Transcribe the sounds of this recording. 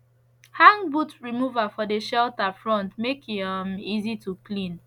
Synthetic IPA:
hãŋbutɹimuvafɔdeʃɛltafɹɔ̃ntmekiamizituklĩn

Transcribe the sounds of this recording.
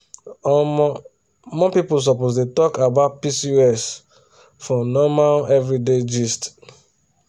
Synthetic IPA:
ɔm | mɔ̃pipuls̬ɔposdetɔkabaʊt̚pisiɛs | fɔ̃nɔmalɛvɹided͡ʒist

